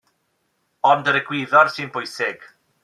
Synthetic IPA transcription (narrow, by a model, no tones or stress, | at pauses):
ɔndəɾəɡwɪðɔrsɨnbʰʊjsɪɡ̥